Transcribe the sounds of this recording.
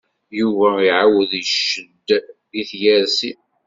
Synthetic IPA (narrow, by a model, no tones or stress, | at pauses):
juvæiʕawəðʃːəd̪ | jiθjæɾsi